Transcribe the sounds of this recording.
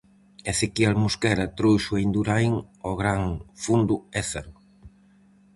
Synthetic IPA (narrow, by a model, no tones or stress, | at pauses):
ɛθekialmuskɛɾɐt̪ɾojʃuejnd̪uɾajŋɔɣɾaŋfund̪ʊɛθeɾʊ